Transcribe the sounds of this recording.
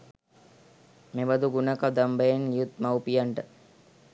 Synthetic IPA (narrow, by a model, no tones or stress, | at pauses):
meʋɐd̪uɡunɐkad̪ambəjenlijut̪̚mawpijaɳʈə